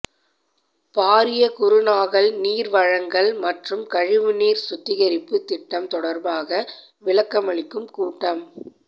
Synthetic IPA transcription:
paːɾɪjɐkʊɾɯnaːɣɐɭniːɾʋɐɻɐŋɡɐɭmɐʈrɯmkɐɻɪʋɯniːɾsʊt̪ːɪɣɐɾɪpːɯt̪ɪʈːɐmt̪ɔɽɐɾbaːɣɐ | ʋɪɭɐkːɐmɐɭɪkːɯmkuːʈːɐm

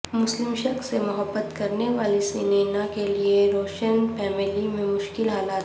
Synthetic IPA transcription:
mʊslɪmʃɐksemʊɦəbːət̪kɐɾneʋaːlisiːneːnãkelieɾoːʃənpɛːmɪlimẽmʊʃkɪlɦaːlaːt̪

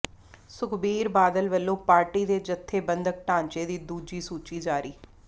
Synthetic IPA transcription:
sʊkʰbiːɾbaːd̪əlʋəlːõːpaːɾʈiːd̪eːd͡ʒət̪ʰːeːbənd̪ək̚ʈãːɲt͡ʃeːd̪iːd̪uːd͡ʒiːsuːt͡ʃiːd͡ʒaːɾiː

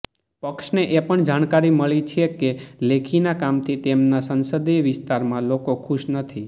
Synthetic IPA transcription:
pəkʃneʔepəɳd͡ʒaɽ̃kaɾiməɭit͡ʃʰekelekʰinakamt̪ʰit̪emnasənsəd̪eʋɪst̪aɾmãlokokʰuʃnət̪ʰi

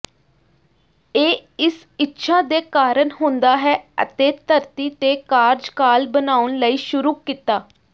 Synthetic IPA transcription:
eːɪs | ɪtːʃʰaːd̪eːkaːɾənɦʊ̃nd̪aːɦɛːə̰t̪eːt̪əɾt̪iːt̪eːkaːɾd͡ʒkaːlbənaːʊɳləiːʃʊɾuːkiːt̪aː

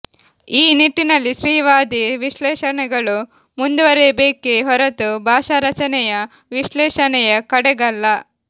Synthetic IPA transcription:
iːniʈːinɐlːiʃɾiːʋaːd̪iʋiʃlɛːʃɐnɛɡɐɭu | mund̪uʋɐɾebeːkeɦɔɾɐt̪ubʱaːʃɐɾɐt͡ʃɐnɛjɐ | ʋiʃlɛːʃɐnɛjɐkɐɽɛɡɐlːɐ

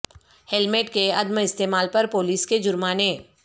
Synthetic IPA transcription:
hɛlmeːʈkeɐd̪məɪst̪eːmaːlpɐɾpoːliːsked͡ʒʊɾmaːneː

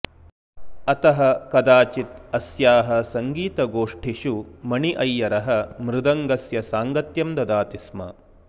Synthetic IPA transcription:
ɐt̪ɐɦɐ̆kɐd̪aːt͡ʃit̪ɐsjaːɦɐsɐŋɡiːt̪ɐɡoːʂʈʰiʃumɐɳiʔɐjːɐɾɐɦɐmɾɪd̪ɐŋɡɐsjɐsaːŋɡɐt̪jɐmd̪ɐd̪aːt̪ismɐ̰

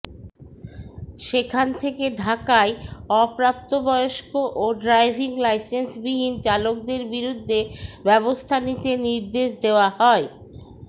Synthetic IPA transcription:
ʃekʰant̪ʰekeɖʱakaeɔpɾap̚t̪obɔjoʃkoʔoɖɾajbʱiŋlajsensbiɦint͡ɕalok̚d̪eɾbiɾud̪ʱːebɛβost̪ʰanit̪eniɾd̪eʃd̪eoaɦɔe

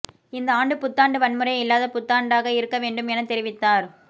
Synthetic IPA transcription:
ɪnd̪ɐaːɳɖɯpʊt̪ːaːɳɖɯʋɐɳmɯɾɐjɪlːaːðɐpʊt̪ːaːɳɖaːɣɐɪɾɯkːɐʋeːɳɖɯmɛnɐt̪ːɛɾɪʋɪt̪ːaːɾ

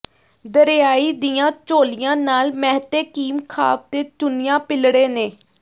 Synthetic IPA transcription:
d̪əɾjaːiːd̪ijãːt͡ʃoːlɪjãːnaːlmɛːɦt̪eːkiːmkʰa̰ːp̚t̪eːt͡ʃʊnɪjãːpɪlɽeːneː

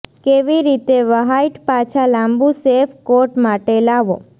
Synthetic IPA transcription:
keʋiɾit̪eʋəɦajʈpat͡ʃʰalãmbusefkoʈmaʈelaʋo̰

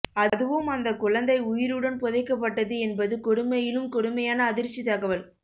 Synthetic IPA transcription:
ɐðɯʋɯmɐnd̪ɐkʊɻɐnd̪ɐɪʊjɪɾɯɽɐnpɔðɐɪkːɐp̬ːɐʈːɐðɯɛnbɐðɯkɔɽɯmɐjɪlɯmkɔɽɯmɐjaːnɐːðɪɾt͡ʃːit̪ɐɣɐʋɐl

